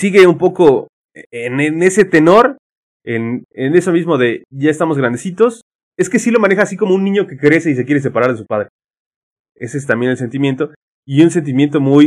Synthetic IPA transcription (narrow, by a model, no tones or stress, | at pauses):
siɣe̞umpo̞ko̞ | eenene̞se̞t̪e̞no̞ɾ | enene̞so̞mizmo̞ðe̞ʝaest̪amo̞zɣɾand̪esit̪o̞s | e̞skesilo̞mane̞xaːsiko̞mounːĩɲo̞ke̞kɾe̞se̞is̬e̞kje̞ɾes̬e̞paɾaɾðe̞s̬upað̞ɾe̞ | e̞sees̬t̪ambje̞nels̬e̞nt̪imje̞nt̪o̞ | iuns̬e̞nt̪̬imje̞nt̪o̞muj